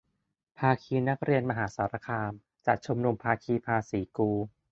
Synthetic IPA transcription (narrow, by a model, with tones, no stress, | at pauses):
pʰaː˧kʰiː˧na˦˥k̚ɾi˧ənma˧ɦaː˩˦saː˩˦ɾa˧kʰaː˧m | t͡ɕa˨˩ʔ̚t͡ɕʰo˧mnu˧mpʰaː˧kʰiː˧pʰaː˧siː˩˦kuː˧